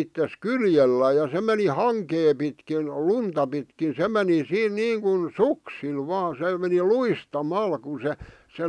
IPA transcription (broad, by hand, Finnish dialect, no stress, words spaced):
itːes kyljelːæː jɑ se meni hɑŋkeː pitkin luntɑ pitkin se meni siːn niːŋkun suksil ʋɑː se meni luistɑmɑl ku se se